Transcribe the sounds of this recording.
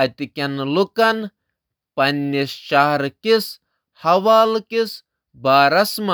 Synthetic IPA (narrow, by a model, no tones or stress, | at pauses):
ɐt̪ikʲɐnlukɐn | pɐnːist͡ʃaɦɾkis | hɐʋaːlkis | baːɾɐsma